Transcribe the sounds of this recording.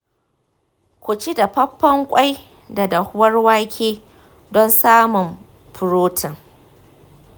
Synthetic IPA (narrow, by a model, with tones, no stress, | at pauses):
kʷʊ˨t͡ʃi˦da˨pɐ˦pːɐ˦ŋkʷʼa˦j | da˨da˨hʊ˦wɐ˦rwaː˦kʲʰeː˦ | dɔ˦nsaː˦mʊ˨m | pʊ˨ɾoː˦tʰɐ˨ŋ